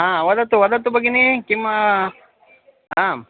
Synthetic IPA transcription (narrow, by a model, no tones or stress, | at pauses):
ɦãːʋɐd̪ɐt̪ːuʋɐd̪ɐt̪ubɐɡenekima | aː